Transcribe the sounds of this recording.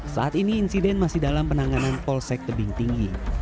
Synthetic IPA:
sa̰ʔat̪iniːnsidɛnmasɪhdalampənaŋananpɔlsɛk̚ləbɪŋt̪iŋɡi

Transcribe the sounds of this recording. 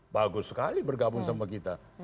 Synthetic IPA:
baɡʊsːəkalibərɡabʊŋsamak̬it̪a

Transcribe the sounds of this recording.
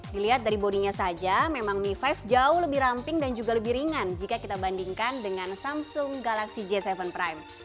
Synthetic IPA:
diliɦat̪̚daɾiboniɲasad͡ʒamemaŋmifafd͡ʒaʊhləbɪhɾampɪŋdand͡ʒuɡaləbihɾiŋand͡ʒikakit̪abandiŋkandəŋansamsʊŋɡalaksid͡ʒɛsɛvənpɾajm

